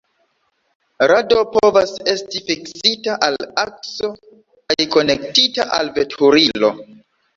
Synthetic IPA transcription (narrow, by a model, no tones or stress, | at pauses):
ɾado̞povase̞stifiksitaʔalak̚so̞ | kajko̞nektitaʔa̰lve̞tʰuɾilo̞̰